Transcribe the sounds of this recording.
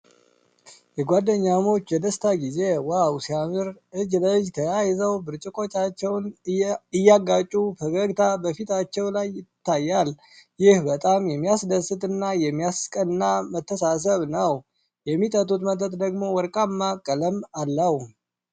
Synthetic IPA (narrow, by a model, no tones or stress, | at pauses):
jɛɡʷad̪ːəɲːamo̞t͡ʃːjɛd̪əst̪ʰaɡize̞wawsiamɨɾʔɨd͡ʒləɨd͡ʒt̪ʰəjajɪzəwbɨɾt͡ʃʼɪkʼo̞t͡ʃːat͡ʃːɛwnɨjːaɡat͡ʃʼufəɡəɡt̪ʰabəfit̪ʰat͡ʃːɛwlajːɪt̪ːajːal | jɪhbət̪ʼamjɛmːijasd̪əsɨt̪ʼɨnːajɛmːijaskʼənːamət̪ːəsas̬əβnəw | jɛmːit̪ʼət̪ʼut̪mət̪ʰʼət̪d̪əɡmo̞wɔɾkʼamːakʼːələmalːəw